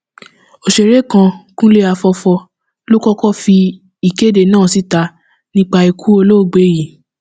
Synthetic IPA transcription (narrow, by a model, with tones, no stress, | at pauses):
o˧ʃe˨ɾe˦kã˧kũ˦le˦a˧fɔ˧fɔ˧ | lo˦kɔ˦kɔ˦˨fi˧ | i˨ke˨˦de˨nãː˦˨si˨˦ta˧ | nĩ˦k͡pa˧i˨kʰu˦o˧lo˦˨ɡ͡be˨˦ji˨